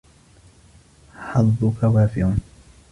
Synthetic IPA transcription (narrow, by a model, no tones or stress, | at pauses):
ħɑðːʊkawaːfɪʕʊn